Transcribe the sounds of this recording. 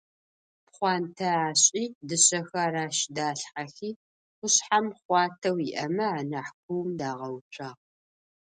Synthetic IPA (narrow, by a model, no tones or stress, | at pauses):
pχʷɑːntʰɐaːɕʼiːdɨɕɐxɐɾaːʃdaːɬħaxiː | xʷʊɕħamχʷɑːtʰɐwiʔɐmɐaːnɐħkʷʰuwmdaːʁɐwt͡ʃʼaːʁ